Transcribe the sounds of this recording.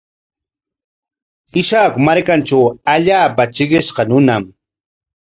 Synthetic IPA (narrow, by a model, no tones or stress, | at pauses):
ɪʃakmaɾkant͡ʃawaʎaːpat͡ʃɪɢɪʃqɑnʊnam